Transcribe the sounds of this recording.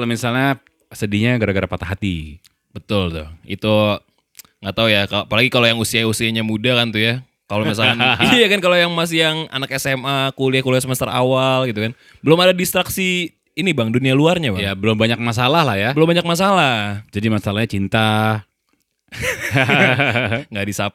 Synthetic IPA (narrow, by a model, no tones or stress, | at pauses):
lomisalɲa | sədiɲaɡəɾaɡəɾapat̪aɦat̪ḭ | bət̪ʊlt̪ʊ̰hḭt̪u | ŋɡat̪aujakaapalaɡikalojaŋusiausiaɲamudakant̪uja | kalomis̬alkanjakankalojaŋmas̬ijaŋa̰nakɛsɛmakuliahkuliasəməst̪aɾa̰walɡit̪ukan | bəlʊmadadist̪ɾaksiː | nibaŋdunialuarɲabajabəlʊmbaɲak̚mas̬alahlahjabəlʊmbaɲak̚mas̬alad͡ʒadimasalahɲat͡ʃint̪a | ŋɡadisa